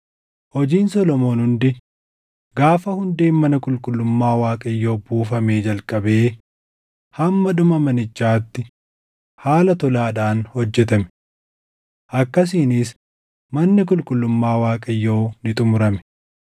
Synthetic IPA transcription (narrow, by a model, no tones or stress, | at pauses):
hɔd͡ʒiːnsɔlɔmo̞ːnhʊnd̪ɪ | ɡaːfɐhʊnd̪eːnmɐnɐkʼʊlkʼʊlːʊmːaːwaːkʼɐjːo̞ːbuːfɐme̞ːd͡ʒɐlkʼɐbe̞ː | hɐmːɐᶑʊmɐmɐnɪt͡ʃːaːt̪ːɪ | haːlɐt̪ɔlaːᶑaːnhɔd͡ʒːɛt̪ɐmɛ̥ | ʔɐkːɐs̬iːnɪs | mɐnːɪk̬ʼʊlkʼʊlːʊmːaːwaːkʼɐjːo̞ːnɪt̪ʼʊmʊɾɐmɛ̥